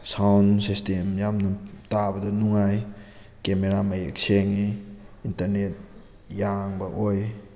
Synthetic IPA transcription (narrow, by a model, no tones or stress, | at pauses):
sawnsistemjamnɐtabɐdɐnuŋaj | kemeɾamajḛk̚seŋniintɐɾnet̚ | jaŋbɐʔoj